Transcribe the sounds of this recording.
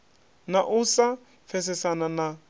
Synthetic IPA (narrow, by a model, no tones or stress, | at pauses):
naʔusa | fɛsɪsanana